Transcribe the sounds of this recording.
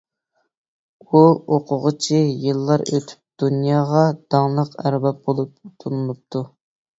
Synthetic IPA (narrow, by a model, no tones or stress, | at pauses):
uoqʰʊʁət͡ʃʰijɨlˠːɑɾø̰t̪ʰy̥p̚d̪̥unjɑːʁɑd̪̥ɑŋlˠəqæ̰ɾbɑp̚bolˠup̚ut̪ʰunɨlˠup̚t̪ʰu